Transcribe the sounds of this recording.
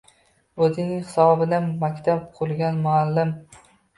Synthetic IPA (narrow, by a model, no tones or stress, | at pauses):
ɵzɪnɪŋʲhɨ̥sɒɒbɪd̪amakʲt̪ʰab̚qʰʊlˠɡʲanmʊalːɪm